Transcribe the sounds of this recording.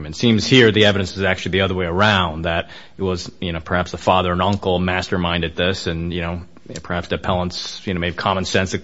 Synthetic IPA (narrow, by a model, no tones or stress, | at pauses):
mɨ̃ntsĩmz̥hiɹðiɛvɨɾɨ̃nsɨzæk̚t͡ʃʉl̩ˠiðiʌðə˞weɪə˞ãʊ̃nðɨɾ | ɪt̚wʌzjɨnoʊpʰə˞hæpsðəfɑðə˞ə̃nʌ̃ŋkl̩ˠmæstə˞mãɪ̃ndɨd̪̚ðɪsɨ̃njɨñoʊ | pʰə˞hæpsdɨpʰɛlˠə̃ntsjɨnoʊmeɪv̥kʰɑmə̃n̩sɛ̃nsɨ